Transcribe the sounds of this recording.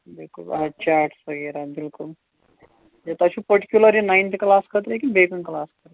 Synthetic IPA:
d̪ilkṵɐt͡ʃaːɾʈsɐɡeɾɐd̪ilku | et̪ɐt͡ʃupɐɾʈi̥kjulɐɾinɐjnt̪iklaːskɐt̪ɾekibeːkɐnklaːskɐt̪

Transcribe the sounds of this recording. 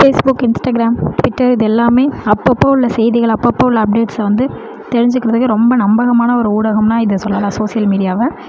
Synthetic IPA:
feːsbʊkːɪnsʈɐɡɪɾaːmʈʋɪʈːɐɾɪðɛlːaːmeːɐpːɐpːoːɯɭːɐsɛjðɪɣɐɭɐpːɐpːoːɪɭːɐɐp̚ɖeːʈsʋɐnd̪ɯ | t̪ɛɾɪɲd͡ʒɯkːɪɾɐðɯkːɯɾɔmbɐnɐmbɐɣɐmaːnɐɔɾɯuːɽɐɣɐmnaːɪðɯsɔlːɐlaːsoːsɪjɐlmiːɽɪjaːʋɛ̃ː

